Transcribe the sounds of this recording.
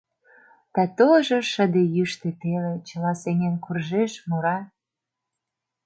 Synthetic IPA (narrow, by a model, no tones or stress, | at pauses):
t̪ɑt̪oʒoʃəd̪ejyʃt̪et̪elet͡ɕəlɑsenenkurʒeʃmoɾɑ